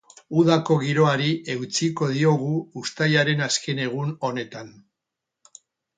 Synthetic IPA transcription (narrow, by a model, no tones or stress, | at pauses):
uðako̞ɣiɾo̞aɾie̞wt͡siko̞ð̞io̞ɣ̞uːst̪ajaɾe̞naske̞ne̞ɣ̞uno̞ne̞t̪an